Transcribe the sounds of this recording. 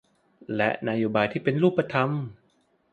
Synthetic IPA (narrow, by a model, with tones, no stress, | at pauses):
lɛ˦˥na˧joː˧˩baː˧jt̪ʰiː˥˩pe˧nɾuː˥˩pːa˧t̪ʰa˧m